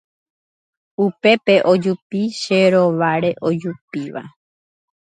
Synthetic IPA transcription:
upe̞pe̞ʔo̞d͡ʒupiʃeɾo̞ʋaɾe̞ʔo̞d͡ʒupiʋa̰

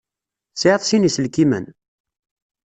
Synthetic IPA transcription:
sʕiðˤsinisəlkimə̰n

